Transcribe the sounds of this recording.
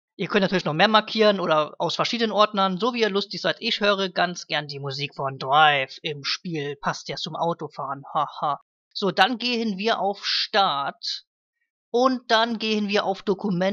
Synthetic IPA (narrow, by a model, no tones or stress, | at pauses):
ʔiːɐkʰœntnayːlɪçnɔχmeːɐmaɐkʰiːʁənʔoːdɐʔa̰ʊsfɛɐʃiːdənənʔɔɐtnɐnzoːviːiːɐlʊstɪçz̥aɪtʔɪçhøːʁ̞əɡant͡sɡ̥ɛɐndiːmuziːkfɔndʁaɪfɪmʃpiːlpʰastɛt͡sʊmʔaʊtofaːʁənhaha | z̥oːdanɡeːhənviːɐʔaʊfʃtaɐt | ʔʊnt̚d̥anɡeːənviːɐʔa̰ʊfd̥okumɛ